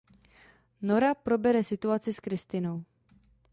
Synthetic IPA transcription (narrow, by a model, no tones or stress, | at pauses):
no̞ɾapɾo̞bɛɾɛsɪt̪uat͡sɪskɾɪst̪ɪno̞w